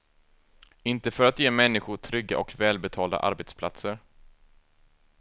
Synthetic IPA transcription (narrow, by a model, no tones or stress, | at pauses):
ɪnt̪əfœɾat̪jeːmɛnːɪɧʊʈʰɾʏɡːa̰ʔɔkvɛːlbɛt̪ʰɑːld̪a̰ʔa̰ɾbeːt̪spʰla̰t̪səɾ